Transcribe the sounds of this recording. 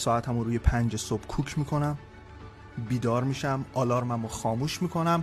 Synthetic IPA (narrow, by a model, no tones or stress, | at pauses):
sɒːæt̪ʰæmuɾuːjepʰænd͡ʒesob̥kʰuːcʰmiːkʰo̞næm | biːd̪ɒːɾmiːʃæmʔɒːlɒːɾmæmoxɒːmuːʃmiːkʰo̞næm